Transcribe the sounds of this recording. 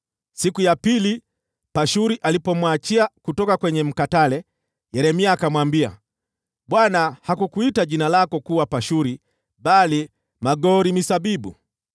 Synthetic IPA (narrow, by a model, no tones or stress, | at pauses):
sikujapili | paʃuɾiʔalipɔmwat͡ʃiakutɔkakwɛɲɛm̩katalɛ | jɛɾɛmiaːkamwambia̰ | ɓwanahakukuitaʄinalakɔkuwapaʃuɾi | ɓali | maɡɔɾimisaɓiɓṵ